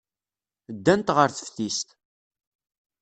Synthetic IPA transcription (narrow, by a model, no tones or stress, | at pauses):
d̪ːænt̪ʁəɾθə̥fθist̪